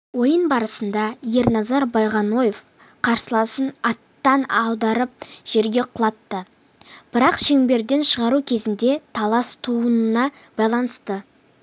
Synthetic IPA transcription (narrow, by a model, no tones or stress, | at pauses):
wo̞jənbɑɾəsənd̪ɑje̞ɾnɑzɑɾbɑjʁɑno̞jef | qʰɑɾsəlˠɑsənɑt̪ːɑnɑwd̪ɑɾəp̚ʒ̥e̞ɾɡʲe̞qʰʊlˠɑt̪ːə | b̥ɪɾɑqʃe̞ŋbe̞ɾd̪e̞nʃəʁɑɾukʲʰe̞zɪnd̪e̞t̪ʰɑlˠɑst̪ʰuənənɑ | b̥ɑjlˠɑnəst̪ə